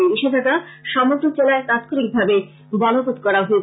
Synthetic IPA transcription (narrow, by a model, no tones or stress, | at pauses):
niʃed̪ʰʱakaʃɔmod̪ʱot͡ɕelaet̪at̪koɾik̚bʱabe | bɔnopot̪kɔɾaɦoe